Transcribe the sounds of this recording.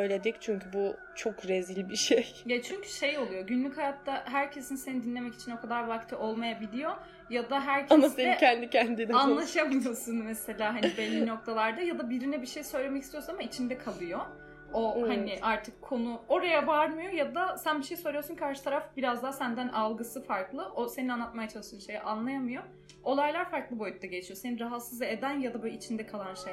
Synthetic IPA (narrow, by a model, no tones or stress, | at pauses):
øjlʲed̪ic̚t͡ʃʰyɲcʰybu | t͡ʃʰokɾezilʲbiʃejɛt͡ʃʰyɲcʰy̥ʃe̞jo̞lˠujo̞ɟynlʲychajat̪ːaɦæɾcʰe̞sinise̞nid̪inʲe̞mɛci̥t͡ʃʰino̞kʰad̪aɾvakt̪ʰiʔo̞lˠmajabilʲijo̞ | jad̪aɦæɾcʰamasenɛcʰɛnd̪icʰɛnd̪inanlˠaʃamɯjo̞sunmese̞lʲaːɦanibelʲːino̞k̚t̪ʰalˠaɾd̪ajad̪abiɾinɛbiʃe̞jsø̞jlʲe̞mɛc̬ʰist̪ijo̞sunamait͡ʃʰind̪ɛkʰalˠɯjo | ohanɪʔaɾt̪ʰɯkʰːo̞nuo̞ɾajabaɾmɯjo̞jad̪asænbiʃe̞jsø̞jlʲijosunkʰaɾʃɯ̥t̪ʰaɾafbiɾazd̪aɦasænd̪ænʔalˠɡɯsɯfaɾklˠɯʔose̞ninanˠat̪̚majat͡ʃʰaɯʃɯnʃe̞jɛʔanlˠajamɯjo̞ | o̞lˠajlˠaɾfaɾklˠɯbo̞jyt̪̚d̪aɟe̞t͡ʃʰijo̞se̞ninɾaɦat̪sɯzed̪ænjad̪abølʲit͡ʃʰind̪ɛkʰalˠanʃej